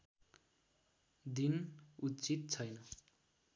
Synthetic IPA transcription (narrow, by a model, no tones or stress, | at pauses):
d̪inutt͡sit̪̚t͡sʰʌjnʌ